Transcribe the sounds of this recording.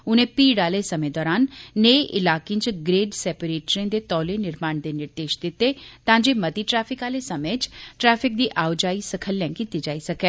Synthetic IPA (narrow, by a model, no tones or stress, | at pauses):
ʊnẽːpiːɽaːlesɐmẽd̪ɔːɾaːnːeːʔɪlaːkẽnt͡ʃɡɾeːɖsɛːpəɾeːʈɾĩd̪eːt̪ɔːlenɪɾmaːɳd̪eːnɪɾd̪eːʃd̪ɪt̪ːet̪ãːɲd͡ʒeːmət̪iʈɾɛːpʰɪkaːlesɐmẽːt͡ʃʈɾɛːfʰɪk̚d̪iːʔaːʊd͡ʒaːisəkʰəlːɛ̃ːŋkit̪id͡ʒaːisɐkɛː